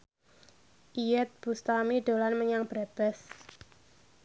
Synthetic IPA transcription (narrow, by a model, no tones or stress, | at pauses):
ʔijɛt̪̚b̥ust̪amiɖo̤lanməɲaŋb̥ɾab̥ɛs